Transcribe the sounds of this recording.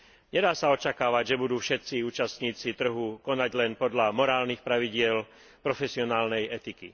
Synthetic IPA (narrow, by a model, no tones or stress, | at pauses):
ɲɛd̪aːsaɔt͡ʃakaːʋaɟʒɛbud̪uːfʃɛt̪t͡siuːt͡ʃast̪ɲiːt͡sit̪r̩ɦukɔnaɟlɛnpɔd̪ʎamɔɾaːlnixpɾaʋiɟɪɛl | pɾɔfɛsiɔnaːlnɛjɛt̪ikḭ